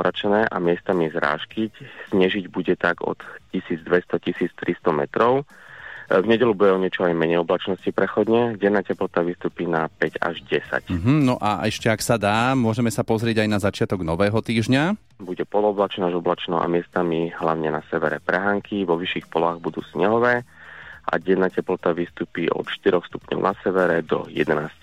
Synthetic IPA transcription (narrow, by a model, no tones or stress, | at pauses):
ɾat͡ʃnɛːʔamɪɛst̪amizɾa̰ːʃkicz̥ɲɛʒiɟbuɟɛt̪aɡɔ̰t̪cisiːd͡zd̪ʋɛst̪ɔcisiːt͡st̪ɾʔist̪ɔmɛ̰t̪ɾɔʊ | vɲɛɟɛlubuɟɛɔɲɪɛt͡ʃɔajmɛɲɛjɔblat͡ʃnɔscipɾɛxɔd̪ɲɛɟɛnːaːcɛplɔt̪aʋist̪uːpiːnapɛɟa̰ʒɟɛsa̰c̩ɦ̩nɔʔaʔɛʃcɛaksad̪aːmʊɔʒɛmɛsapɔzɾɪɛɟajnazat͡ʃɪat̪ɔɡnɔʋɛːɦɔt̪iːʒɲa | buɟɛpɔlɔblat͡ʃnɔaʒɔblat͡ʃnɔa̰mɪɛst̪amiɦlaʊɲɛnasɛʋɛɾɛpɾɛɦaːŋkʰiʋɔʋiʃixpɔlaːɣbud̪ṵːsɲɛɦɔʋɛːʔa̰ɟɛnːaːcɛplɔt̪aʋiːst̪uːpiːʔɔ̰t̪ʃt̪iɾɔxst̪u̥pɲɔ̰ʊnʔasɛʋɛɾɛd̪ɔ̰jɛ̰d̪ɛnaːsc